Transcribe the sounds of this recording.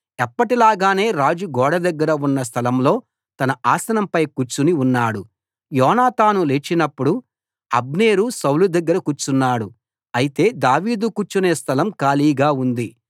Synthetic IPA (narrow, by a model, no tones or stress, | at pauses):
ɛpːɐʈilaːɡaːne̞ːɾaːd͡ʒuɡɔːɽɐd̪ɐɡːɐɾɐunːɐs̬t̪ʰɐlɐmlo̞ː | t̪ɐnɐaːsɐnɐmpɐjkut͡ʃːuniunːaːɽu | jɔːnaːt̪aːnulet͡ʃːinɐpːuɽu | ɐ̰b̚neːɾusɐwlud̪ɐɡːɐɾɐkut͡ʃːunːaːɽu | ɐjit̪e̞ːd̪aːʋiːd̪ukut͡ʃːuneːst̪ʰɐlɐmkaːliːɡaːund̪i